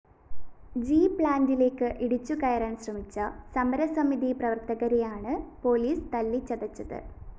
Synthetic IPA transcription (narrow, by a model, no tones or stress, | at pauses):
d͡ʑiːpɭaːndile̞ːkːɨʔiɽut͡ɕːukɐjɐɾaːnɕrɐmit͡ɕːɐsɐmɐɾɐsɐmiðiprɐʋɐrt̪ɐɣɐɾejaːɳɨpo̞ːliːst̪ɐlːit͡ɕːɐðɐt͡ɕːɐðɨ̰